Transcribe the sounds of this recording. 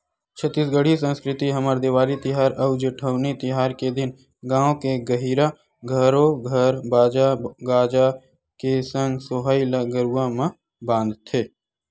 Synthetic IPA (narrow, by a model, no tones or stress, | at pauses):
t͡ʃʰət̪ːiːsɡəɽ̤isə̃nskɾɪt̪iɦɐməɾd̪ɪʋaːɾit̪ɪɦaːɾɐʊd͡ʒəʈʰəʊnet̪ɪɦaːɾked̪ɪn | ɡãːõkeɡəɦiːɾa | ɡʱəɾoɡʱəɾbaːd͡ʒaɡaːd͡ʒa | kesə̃ŋɡsoɦailaɡəɾuwamã | bãːnd̪t̪ʰeː